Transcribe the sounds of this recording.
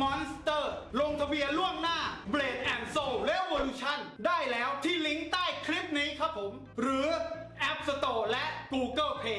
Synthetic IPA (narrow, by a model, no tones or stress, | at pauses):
mɔːnst̪ɤːloŋt̪ʰabiəluəmnaːbleːt̪̚ʔɛnsoːlewoːluːt͡ɕʰandaːjlɛːwt̪ʰiːliŋt̪aːjkʰɾip̚niːkʰapʰːom | ɾɯːʔɛp̚sat̪oːlɛʔkuːkɤːpʰeː